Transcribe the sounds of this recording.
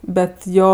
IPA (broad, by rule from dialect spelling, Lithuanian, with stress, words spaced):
ˈbʲɛt ˈjoː